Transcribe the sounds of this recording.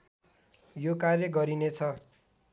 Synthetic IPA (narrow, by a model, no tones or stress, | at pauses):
jokarjʌɡʌɾinet͡sʰʌ